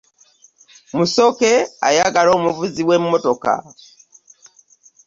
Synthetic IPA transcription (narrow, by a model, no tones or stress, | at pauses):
musokea̰jaɡalo̞ːmuvuziwemmotoka̰